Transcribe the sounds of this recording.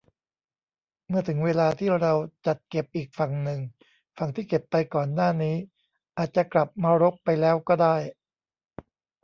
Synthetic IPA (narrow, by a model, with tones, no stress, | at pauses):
mɯ˥˩ɐt̪ʰɯ˩˦ŋweː˧laː˧t̪ʰiː˥˩ɾa˧wt͡ɕa˨˩t̪̚ke˨˩p̚ʔiː˨˩k̚fa˨˩ŋnɯ˨ŋ | fa˨˩ŋt̪ʰiː˥˩ke˨˩pːa˧jkɔː˨˩nːaː˥˩niː˦˥ | ʔaː˨˩t̪̚t͡ɕa˨˩kla˨˩p̚maː˧ɾo˦˥k̚pa˧jlɛː˦˥wkɔː˥˩daː˥˩j